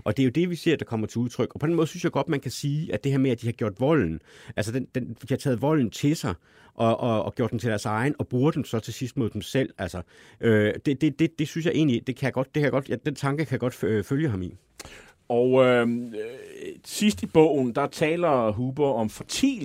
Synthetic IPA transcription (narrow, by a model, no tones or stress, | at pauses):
ʔɒ̽d̥e̝æjod̥e̝ʋise̝ɐ̰d̥ɑ̈kʰɒ̽m̰ɐt͡sʰe̝uðˠt͡sʰʁœɡ̥ɒpʰd̥enmɔːðˠsynsjɑɪɡ̥ɒ̽d̥mænkʰæsiːʔæd̥e̝heɐmeæd̥ihɑ̈ɡ̥jo̝ɐ̰d̥ʋɒ̽l̰n̩ʔælsəd̥end̥end̥ihɑt͡sʰɛ̰ːð̩ˠʋɒ̽l̰n̩t͡sʰe̝sɑ̈ɪ | ʔɒ̽ʔɒ̽ːɡ̥jo̝ɐd̥emt͡sʰe̝ɾ̥æɐsɑ̈ɪn̩ɒ̽b̥ʁuːɐd̥emsɒ̽t͡sʰe̝sisd̥moðˠd̥emsel̰ælsɐ | ʔød̥e̝d̥e̝d̥e̝d̥e̝synsjɑ̈ɪe̝̰ːnlid̥e̝kʰæjaɡ̥ɒ̽d̥̚ːekʰæjɡɒd̥jd̥ent͡sʰɑ̈ŋɡ̥əkʰæjaɡ̥ɒ̽d̥føljəɦɑ̈mi | ɒʊø | sisd̥ib̥ɔ̰ʊ̰n̩d̥ɑ̈t͡sʰɛ̰ːlɐɦuːb̥ɐɒ̽mfɒt͡sʰḭː